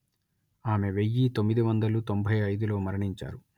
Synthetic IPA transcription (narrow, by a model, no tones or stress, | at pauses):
aːme̞ʋe̞jːit̪o̞mːid̪iʋɐnd̪ɐlut̪o̞mbʱɐjɐjd̪ulo̞ːmɐɾɐɳiɲt͡ʃa̰ːɾu